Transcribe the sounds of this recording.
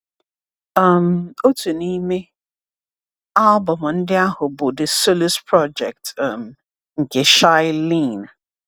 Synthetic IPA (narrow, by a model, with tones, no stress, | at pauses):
ʌ˦˨mo˦tu˨ni˦me˦ | a˦lbɔ˨m˨n̩˦dɪ˦a˦hʊ˨bʊ˨dɪ˨so˦lɪ˦spʰɹɔ˦d͡ʒɛ˨k̚tm | ŋ̩˨ke˨ʃa˦ɪ˦lĩ˦˨n